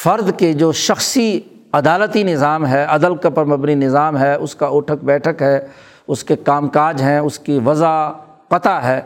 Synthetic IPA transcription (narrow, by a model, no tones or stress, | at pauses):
fɐɾd̪ked͡ʒoːʃɐxsi | ɐd̪aːlət̪inɪzaːmɦɛɐd̪əlkapɐɾmɐbninɪzaːmɦɛːʔʊskaoːʈʰəkbɛːʈʰəkɦɛː | ʊskekaːmkaːd͡ʒɦɛ̃ʊskiʋɐza | qɐt̪aɦɛː